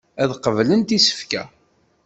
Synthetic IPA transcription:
æðqəvlənt̪isə̥fkæ̰

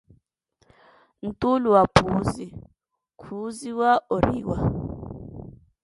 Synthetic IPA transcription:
n̩tʼuluwapʰuzi | kʰuziwaoɾḭːwa̰

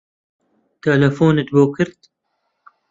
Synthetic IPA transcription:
t̪ɐlɐfoːnɨt̪boːkɨɾt̪

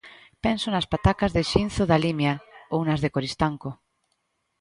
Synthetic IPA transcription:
pɛnsonaspat̪akazðeʃinθoðalimjaownazðekoɾist̪aŋko

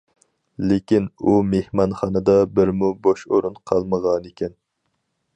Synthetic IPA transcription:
lekʲinumehmɑnχɑnɨd̪ɑbɪɾmuboʃoɾunqʰɑlˠməʁɑnekʲʰɛn

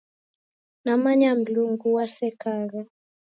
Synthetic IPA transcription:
namaɲam̩luŋɡuwasɛkaɣa

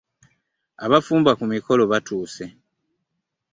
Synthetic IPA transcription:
aβafuːmbakumiko̞lo̞βatʰuːse̞

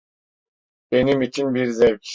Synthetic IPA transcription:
benimit͡ʃʰinbiɾzɛvkʲ

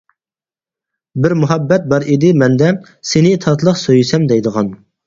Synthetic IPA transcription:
bɪɾmuɦɛbːɛt̪̚bɑɾid̪ɪmɛnd̪ɛ | senɪt̪ʰɑt̪ʰlˠəqsøjsɛmd̪ɛjd̪əʁɑn

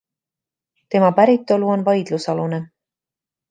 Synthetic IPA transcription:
t̪e̞mɑpæɾit̪ːˑo̞luo̞nvɑjd̪̥lusɑlune

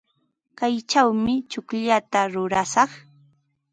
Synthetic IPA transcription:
kajt͡ʃawmɪt͡ʃʊkʎat̪aɾʊɾasɑχ

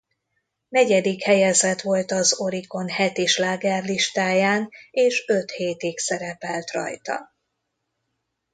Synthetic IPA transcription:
nɛɟɛd̪ikhɛjɛzɛt̪ʋo̞lt̪ɒzo̞ɾiko̞nhɛt̪iʃlaːɡɛrliʃt̪aːjaːneːʃøt̪heːt̪iksɛɾɛpɛlt̪rɒ̰jt̪ɒ̰

